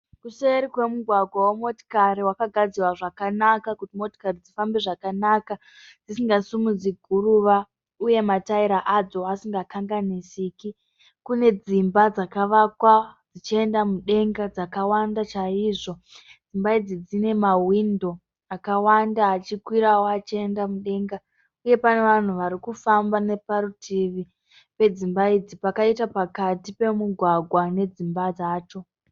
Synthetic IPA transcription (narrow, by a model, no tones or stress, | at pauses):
kuseeɾikwe̞muɡʱwaɡʱwawomo̞ti̥kaɾiwakaɡʱad͡zirwaʐakanakakutimo̞ti̥karid͡zifambeʐakanaka | d͡zisiŋɡasumud͡ziɡʱuɾuʋa | uje̞mataiɾaʔad͡zo̞asiŋɡakaŋɡanisiːki | kune̞d͡zimbad͡zakaʋakwad͡zit͡ʃie̞ndamuɗe̞ŋɡad͡zakawandat͡ʃaiʐo̞d͡zimbaid͡zid͡zine̞mawindo̞ | akawandaːt͡ʃikwiɾawoat͡ʃie̞ndamuɗe̞ŋɡa | uje̞pane̞ʋan̤uʋaɾikufambane̞paɾutʰiʋi | pe̞d͡zimbaid͡zipakaitapakatipe̞muɡʱwaɡʱwane̞d͡zimbad͡zaːt͡ʃo̞